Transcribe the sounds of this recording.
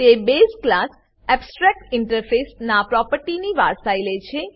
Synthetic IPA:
t̪ebesklas | ɛbsʈɾɛk̚ʈɪɳʈəɾfʰesnapɾɔpəɾʈiniʋa̰ɾsajlet͡ʃʰe

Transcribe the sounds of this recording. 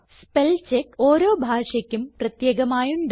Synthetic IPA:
spelt͡ɕekːo̞ːɾo̞ːbʱaːʂɐkʲːumprɐt̪jeːɡɐmaːjuɳɖ

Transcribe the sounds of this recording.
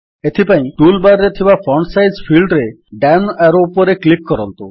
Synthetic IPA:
et̪ʰipaĩʈulbaɾɾet̪ʰibapʰɾɔɳsajzpʰilɖɾe | ɖanaɾoupɔɾeklikːɔɾɔnt̪u

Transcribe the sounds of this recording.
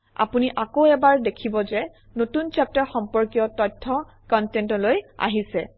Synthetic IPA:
a̰puniʔakoɛbaɹdekʰibɔzɛ | notunt͡ʃap̚taxɔmpɔɹkijɔtɔtʰːɔ | kɔntɛntɔloja̰ɦisɛ

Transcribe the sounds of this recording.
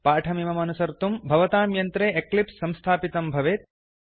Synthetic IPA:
paːʈʰɐmimɐmɐnusɐɾt̪umbʱɐʋɐt̪aːmjɐnt̪ɾeːʔeklipsːɐ̃mst̪ʰaːpit̪ɐmbʱɐʋeːt̪̚

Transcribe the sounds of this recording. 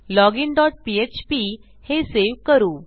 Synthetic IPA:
lɔɡinɖɔʈ̚piet͡ɕpi | heseʋkəɾuː

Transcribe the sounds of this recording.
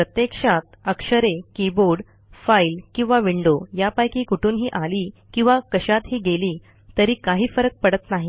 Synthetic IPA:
pɾət̪jekʂat̪̚əkʂəɾekiboɾɖ | failkĩw̃ʋaʋiɳɖojapajkiːkuʈʰuːnɦiːʔaliːkĩw̃ʋakəɕat̪ɦiːɡeliː | t̪əɾiːkaɦiːfəɾək̚pəɽət̪naɦi

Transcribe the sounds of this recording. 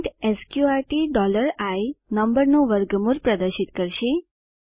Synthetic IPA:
ʈɛskjuaɾʈiɖɔləɾajnəmbəɾnũʋəɾɡmuɾpɾəd̪əɾʃit̪kəɾʃe

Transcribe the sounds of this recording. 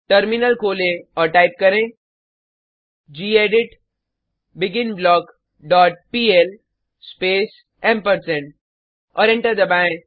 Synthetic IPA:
ʈəɾmɪnəlkoːlẽɔːɾʈaːɪp̚kɐɾẽ | d͡ʒiːeːɖɪʈ | bɪɡɪnblɔːk | ɖɔːʈ̚piːɛl | speːs | ɛ̃mpəɾsɛ̃ɳʈ | ɔːɾɪ̃ɳʈəɾd̪ɐbaːẽ

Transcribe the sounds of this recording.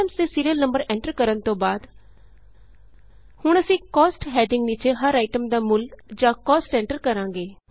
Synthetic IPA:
əmseːsiːɾijəlnəmbəɾɛ̃ːɳʈəɾkəɾənt̪õːbaːd̪ | hʊɳəsĩːkɔːsʈɦɛːɖɪ̃ŋɡniːt͡ʃeɦəɾaːɪʈəmd̪aːmʊld͡ʒãːkɔːsʈɛ̃ːɳʈəɾkəɾãːŋɡeː

